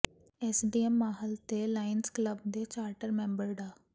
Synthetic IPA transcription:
eːsɖiːɛmːaːɦəlt̪eːlaːɪnskləbd̪eːt͡ʃaːɾʈəɾmɛ̃ːmbəɾɖaː

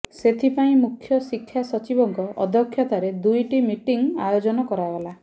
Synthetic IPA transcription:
set̪ʰipaĩmukʰːjɔsikʰːjasɔt͡ʃibɔŋkɔʔɔ̰d̪ʱɔkʰːjɔt̪aɾed̪ujʈimiʈiŋajod͡ʒɔnɔkɔɾajɡala

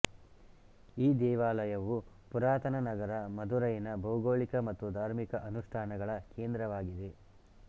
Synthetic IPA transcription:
iːd̪ɛːʋaːlɐjɐʋu | puɾaːt̪ɐnɐnɐɡɐɾɐmɐd̪uɾɐjɐnɐbɐuɡoːɭikɐmɐt̪ːud̪ʱaːɾmikɐʔɐnuʂʈʰaːnɐɡɐɭɐke̞ːnd̪ɾɐʋaːɡid̪e̞

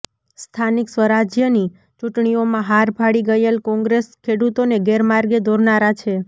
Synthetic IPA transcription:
st̪ʰaniksʋəɾad͡ʒjəni | t͡ʃuʈɳiomãɦaɾbʱaɽiɡəjelkɔ̃ŋɡɾeskʰeɽut̪oneɡeɾmaɾɡed̪ʱoɾnaɾat͡ʃʰe

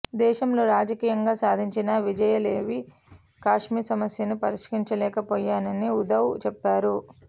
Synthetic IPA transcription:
d̪ɛːʃɐmlo̞ːɾaːd͡ʒɐkiːjɐŋɡaːsaːd̪ʱiɲt͡ʃinɐʋid͡ʒɐjɐleːʋi | kaːʂmiːsɐmɐsjɐnupɐɾiʂkiɲt͡ʃɐlɛːkɐpoːjaːnɐniud̪ɐwt͡ʃɛpːaːɾu

